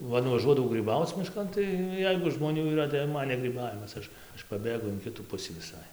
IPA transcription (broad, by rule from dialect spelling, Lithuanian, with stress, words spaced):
ˈʋɐ nʊʋɐˈʒuɔdɐʋɐʊ ɡrʲiːˈbɐʊt͡s mʲɪˈʃkɐn tɐɪ ˈjɛɪɡʊ ʒmoːˈnʲuː iːˈrɐ tɐɪ jɛʊ ˈmɐn nʲɛ ɡrʲiːˈbɑːʋʲɪmɐs ˈɐʃ ˈɐʃ pɐˈbʲeːɡʊ ɪn ˈkʲɪtuː ˈpʊsʲiː ʋʲɪˈsɐɪ